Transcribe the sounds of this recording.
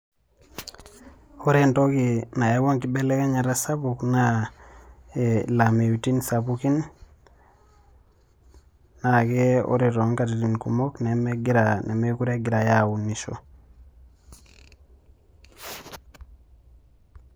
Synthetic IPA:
oɾentokinajewoŋkibelekaɲaɾasabukna | elamewutinsabukin | akeo̰ɾiɾoŋkatitinkṵmoknemeɡiɾanemekuɾeɡiɾajawunːiʃo̰

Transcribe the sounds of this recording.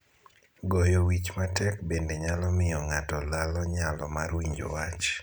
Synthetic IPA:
ɡɔjɔwit͡ʃmatɛkbendeɲalɔmɪjɔŋatɔlalɔɲalɔmarwiɲd͡ʒo̰wat͡ʃ

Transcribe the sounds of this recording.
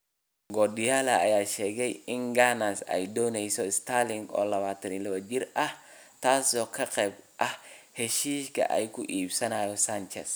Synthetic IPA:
ɡɔɗɪjaːlɐɐ̰jaːʃɛːɣɛjɪŋɡanasɛ̰jd̪ɔːnɛjsɔɪst̪ʰalɪŋɡɔ̰ːlɐβaːt̪ʰɐnɪlɐβɐd͡ʒɪrɐh | t̪ʰaːsɔːkʰɐqɛːbʔɐhhɛʃiːʃkʰɐ̰ʔɛjkʰʊʔiːbsɐnaːjɔsant͡ʃɛ̰s

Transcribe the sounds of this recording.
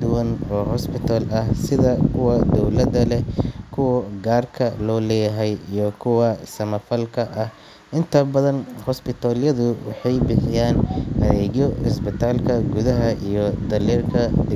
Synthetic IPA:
d̪ʊwɐnɔːɦɔspɪt̪ʰaːlɐhsɪðɐkʰʊwɐd̪ɔwlɐd̪ɐlɛkʰʊwɐɡaːrkʰɐlɔːlɛːjɐɦɛjijɔkʰʊwɐsɐmɐfɐlkʰɐʔɐh | ʔɪnt̪ʰɐbɐðɐnhɔspɪt̪ʰaːljɐðʊwɑħɑjbɪħɪjaːnʔɐðɛːɣjɔɪsbɪt̪ʰaːlkʰɐɡʊðɐɦɐʔijɞd̪ɐliːrkʰɐɖɪ

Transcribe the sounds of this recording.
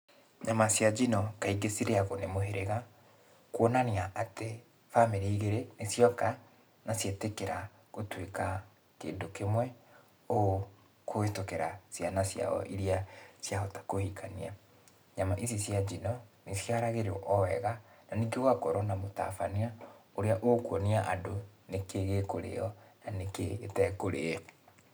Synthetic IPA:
ɲamasjad͡ʒinɔkaiɡesiɾeaɣonemoɦeɾeɣa | kwɔnaniaʔate | fameɾeiɣeɾenesjɔka | nasjetekeɾa | ɣotweka | kḛːndokemwɛ | o | koetokeɾasjanasja̰ɔ̰ʔiɾiasjaɔtḁkohikʰania | ɲamaʔisisjad͡ʒinɔnesjaɾaɣeɾɔʔɔwɛɣananiɡewakɔɾɔnamota̰faniaoɾeaʔokwɔniaʔadonekeɣekoɾḛɔnaneketɛkoɾe

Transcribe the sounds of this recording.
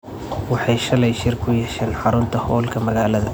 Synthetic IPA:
wɑħɑjʃɐlɛjʃɪrkʰʊjɛʃɛːnħɑɾʊnt̪ʰɐhɔːlkʰɐmɐɣaːlɐðɐ

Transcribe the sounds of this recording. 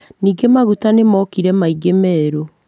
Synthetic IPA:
niːɡemaɣutanemɔkiɾɛmaiɡemɛːɾo

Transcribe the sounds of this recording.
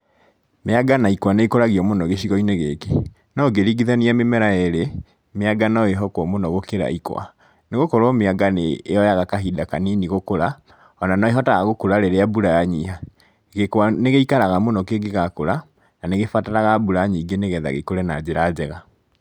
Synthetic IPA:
meaɡanaikwaneikoɾaɣiɔmonɔɣeɕiɣɔineɣeke | nɔɡeɾiɡiðɛniamemɛɾaeɾe | meaɡanaeɦɔkwɔmonɔɣokeɾa̰ikw̰a̰ | neɣokɔɾɔmeaɡaneːɔjaɣakaɦidakaniniɣokoɾa | ɔnanaeɦɔtaɣaɣokuɾaɾeɾeabuɾajaɲiɦa | ɣekwaneɣeikaɾaɣamonɔkeɡeɣakoɾa | naneɣefataɾaɣabuɾaɲiɡeneɣɛða̰ɣekoɾɛna̰d͡ʑeɾad͡ʑɛɣa

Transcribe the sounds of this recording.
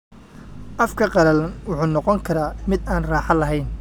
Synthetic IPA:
ʔɐfkʰɐqɑɾɐlnwʊħuːnɔqɔŋkʰɐɾaːmɪd̪aːnraːħɑlɐɦɛjn

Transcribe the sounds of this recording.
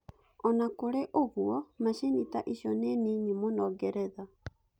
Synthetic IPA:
ɔnakoɾeʔoɣuɔmaɕenitaʔiɕjɔneniːɲimonɔɣɛɾɛða

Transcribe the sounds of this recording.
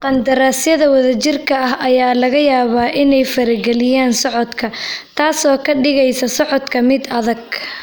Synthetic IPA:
qɑnd̪ɐɾaːsjɐðɐwɐðɐt͡ʃɪrkʰɐɐɦʔɐjaːlɐɣɐjaːβaːʔɪnɛjfɐɾɪɡɛlɪjaːnsɔʕɔd̪kʰɐt̪ʰaːsɔːkʰɐɖɪɣɛjsɐsɔʕɔd̪kʰɐmɪd̪ɐðɐɡ̚

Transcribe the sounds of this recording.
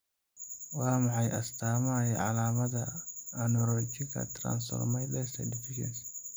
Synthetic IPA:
wɑːmɑħɑjʔɐst̪ʰaːmɐjɛʕɑlaːmɐdɐɐnɔɾɔt͡ʃɪkʰɐ̰t̪ʰɾa̰ːnsɔ̰rmɛjlɛst̪ɐ̰dɪfʰɪʃɛ̰ns

